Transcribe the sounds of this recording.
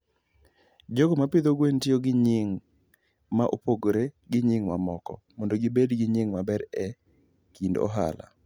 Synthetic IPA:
d͡ʒoɡomapɪd̪oɡwentɪoɡɪɲɪŋ | maʔo̰poɡoɾeɡɪɲɪŋma̰mɔkɔ̰mondoɡɪbedɡɪɲɪŋmabɛɾɛ | kindɔ̰ɦa̰la̰

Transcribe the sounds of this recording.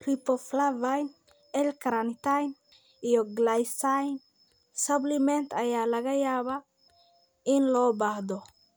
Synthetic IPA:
ripːɔflavajn | ɛlkʰɾant̪ajn | ijɔɡlajsajn | sɐblɪmɛnt̪ʰɐjaːlɐɣɐjaːβa | ɪnlɔːbahd̪ɔ

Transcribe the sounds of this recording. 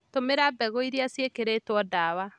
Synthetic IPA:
tomeɾabɛɣɔiɾiasjekeɾeːtwɔdaːwa

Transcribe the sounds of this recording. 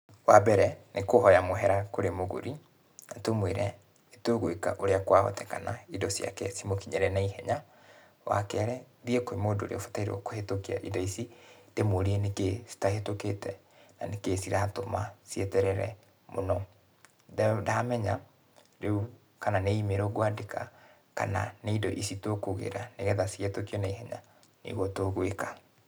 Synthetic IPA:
wabɛɾɛnʔekohɔjamoɦɛɾakoɾemoɣo̰ɾi | natomweɾɛ | etoɣweka̰ʔoɾeakwahɔ̰tɛkanaidɔsia̰kɛ̰simokiɲɛɾɛnaihɛɲa | wa̰kɛɾɛ | ðiekoemoːdo̰ɾḛofo̥taiɾḛwɔ̰kohetokia̰ʔidɔisid̥emoɾienekesi̥taɦetoketɛ̰ | nanekesiɾatomasietɛɾɛɾɛ̰ | mʔo̰nɔ | dɛdaːmɛɲa | ɾeu | kananeimeɾɔɣwadeka̰ | ka̰na̰neindɔʔisitokoɣḛɾaneɣɛðasiɣetokiɔnaihɛɲa̰ | nḭɣwɔtoɣweka

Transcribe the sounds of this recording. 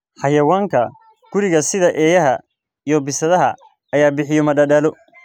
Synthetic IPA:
ħɑjɐwaːŋkʰɐ | ɡ̥ʊɾɪɣɐsɪðɐʔɛːjɐɦɐ | ijɔbɪsɐðɐɦɐ̰ | ɐjaːbɪħɪjɔmɐdɐdaːlɔ

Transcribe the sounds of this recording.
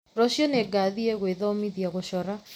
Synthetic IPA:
ɾɔɕjɔneɡaðiɛɣweðɔmiðjaɣoɕɔɾa

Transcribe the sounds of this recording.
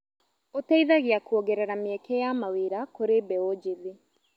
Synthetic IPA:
otɛiðaɣeakuɔɡɛɾɛɾameɛkɛjamaweɾakoɾebɛod͡ʒeðe

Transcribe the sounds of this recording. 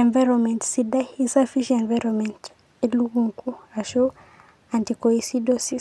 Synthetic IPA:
ẽnvajɾɔnmɛ̃ntsidaisafiʃiẽnvaɾɔmɛ̃nt | eluɡuŋkuaʃo | ãntikoisidosis

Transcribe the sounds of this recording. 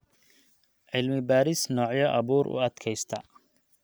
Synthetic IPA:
ʕɪlmɪbaːɾɪsnɔːʕjɐʔɐβuːɾʔʊ̰ɐd̪kʰɛjst̪ʰɐ

